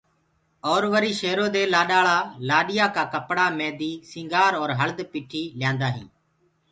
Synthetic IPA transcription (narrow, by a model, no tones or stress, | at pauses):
ɔːɾʋəɾiːʃeːɾoːd̪eːlaːɗaːɭaːlaːɗɪjaːkaːkəpɽaːmẽːd̪iːsɪ̃ːŋɡaːɾɔːɾɦəld̪piːʈʰiːljãːnd̪aːɦḭ̃ː